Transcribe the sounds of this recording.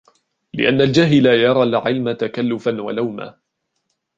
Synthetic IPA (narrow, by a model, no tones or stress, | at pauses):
lɪ̰ʔanːald͡ʒaɦɪlajɑɾˤɑlʕɪlmat̪akalːʊfanwa̰lawma̰ː